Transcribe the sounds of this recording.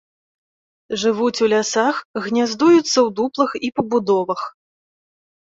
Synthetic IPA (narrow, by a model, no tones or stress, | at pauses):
ʐɨvut͡sʲulʲasaxɣnʲazd̪ujut̪sːɐwd̪uplˠɨxipɐbud̪ɔvɐx